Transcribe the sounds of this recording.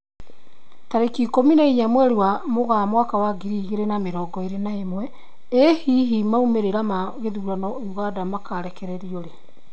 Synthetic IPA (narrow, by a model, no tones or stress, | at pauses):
taɾekikominaiɲamwɛɾewamoɣamwakawaɡiɾiɣeɾenameɾɔːɡɔeɾenaemwɛ | ehiɦimaumeɾeɾamaɣeðuɾanɔuɣadamakaːɾɛkɛɾɛɾioɾe